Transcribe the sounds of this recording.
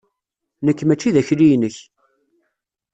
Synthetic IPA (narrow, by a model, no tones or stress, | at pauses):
nəkːmæt͡ʃːiðæçlijnəç